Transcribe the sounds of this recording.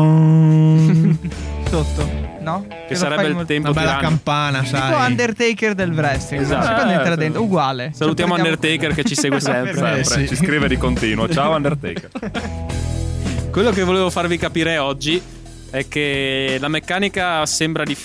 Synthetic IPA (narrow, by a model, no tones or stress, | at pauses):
sot̪ːonɔ | kesːaɾɛbeilt̪ɛmpodb̪ɛlːaankampaːnasaannd̪ert̪ejkerd̪elbɾɛsiezat̪ːand̪t̪elad̪ent̪uɡwaːlesalut̪̬jaːnmoand̪ert̪ejkerket͡ʃːiseːɡwesɛmpɾɛpɾet͡ʃiskɾiːved̪ikont̪iːnuot͡ʃaoand̪ert̪ḛjkeɾ | kwelːok̬evoleːvofarvikapiɾɛɔd͡ʒːi | ɛkːelamekːaːnikasembɾad̪i